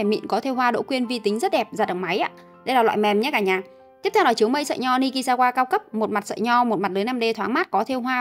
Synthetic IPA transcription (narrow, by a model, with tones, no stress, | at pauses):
ɛ˧˨˩mḭ˧˨nkɔ˨˦t̪ʰe˧wɦwaː˧ɗo̰˧˥kwi˧ənvi˧t̪ï˨˦ŋ̟zə˦˥t̚ɗɛ˨˩p̚zaː˨˩ɗə̰˧˩wŋ͡mma˨˦jʔa̰ː˧˦ | ɗə˧jlaː˨˩wa̰ː˧˨jmɛ˨˩mɲa˧˨˦kaː˧˩ɲaː˨˩ | t̪i˦˥əp̚t̪ʰɛ˧wnɔ˧˩t͡ɕi˨˦əwmə˧jsə̰˧˨jɲɔ˧ni˧ki˧saː˧kwaː˧kaː˧wkə˦˥p̚mo˨˩t̚ma˨˩t̚sə̰ː˧˨jɲɔ˧mo˨˩t̚m˨˩t̚ləː˨˦jna˧mɗe˧t̪ʰwaː˨˦ŋmaː˦˥t̚kɔ˨˦t̪ʰe˧wɦwaː˧